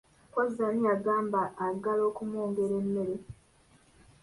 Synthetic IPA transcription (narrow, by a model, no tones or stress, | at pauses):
kozanijaɡaːmbaːɡalo̞ːkumoːŋɡe̞ɾemːe̞ɾe